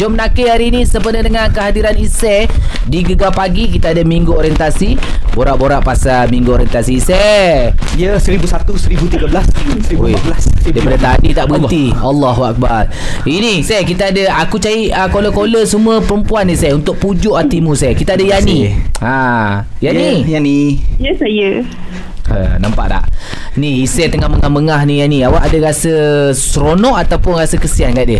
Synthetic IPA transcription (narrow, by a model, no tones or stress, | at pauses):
d͡ʒɔmnakeɦaɾiːnisəpənədəŋankəɦadiɾanisɛ | diɡəɡapaɡik̬it̪aadamiŋɡuoɾiɛnt̪asi | boɾaʔboɾaʔpasamiŋɡuoɾjɛnt̪asisɛ | ijəsəɾibusat̪usəɾibut̪iɡəblassɾiblasdajdpadat̪adit̪aʔbənialːɑɦuak̚ba̰r | inisɛkit̪aadaakut͡ʃaiʔəkoləkoləsumuəpəɾəmpuanːisajunt̪ʊʔ̚pud͡ʒʊʔat̪imusajkit̪aadəjaniajanijanijəsajə | ə̰nampa̰ʔda̰ʔ | niisət̪əŋahməŋahməŋahnijaniawaʔadəɾasəsɾonɔ̃ʔat̪awpʊnɾasəkəsianɡaʔdə